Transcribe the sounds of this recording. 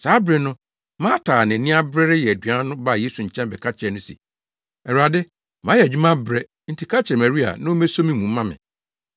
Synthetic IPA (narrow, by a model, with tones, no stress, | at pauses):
saː˨˦bɾɛ˨nʊ̃˦ | mãː˦tʰaː˨nɪ̃˨nĩ˦a˦bɾɛ˦ɾɪ˦jɛ˨æ˨dɥã˦nʊ̃˦ba˦˨je˦su˨ɲ̩˨t͡ɕʰɛ̃˦mbɛ˨kʰa˦t͡ɕʰɛ˨nʊ̃˦sḭ˨ | ɛ˨ɾa˨dɪ˦ | mã˨˦jɛ˨d͡ʑᶣi˦mã˦bɾɛ˦ | n̩˨tʰi˨kʰa˦t͡ɕʰɛ˨mæ̃˨ɾi˦a̰˨nã˦o˦mæ˦so˦mĩ˦mũ˨m̩˦mã˦mɪ̰̃˨